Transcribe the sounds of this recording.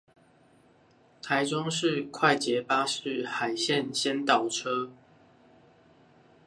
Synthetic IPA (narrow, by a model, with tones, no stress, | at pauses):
t̪ʰa˨˦ɪʈ͡ʂʊ˦ŋʂɻ̩˥˨kʰwa˥˨ɪt͡ɕjɛ˨˦pa˦ʂɻ̩˥˨xa˨˩ɪɕjɛ˥˨nɕjɛ˦nt̪ɑ˨˩ʊʈ͡ʂʰɤ˦